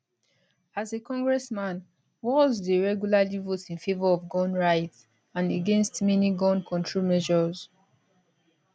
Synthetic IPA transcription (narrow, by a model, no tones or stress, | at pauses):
azekɔ̃ŋɡɹɛsmãn | wɔzdəɹɛɡjulalivotĩnfevɔɔvɡɔ̃nɹaɪts | ãneɡẽnstmɛniɡɔ̃nkʰɔ̃ntʰɹolmɛʒɔz̥